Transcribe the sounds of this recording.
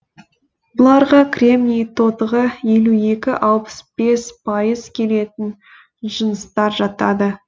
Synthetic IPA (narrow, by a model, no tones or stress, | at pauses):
bʊlˠɑɾʁɑkʲrʲe̞mnʲijt̪ʰo̞t̪əʁəje̞lue̞kʲɪʔɑlˠpə̥sb̥e̞spʰɑjəzkʲʰe̞le̞t̪ɪn | ʒənəst̪ɑɾʒɑt̪ɑ̰d̪ə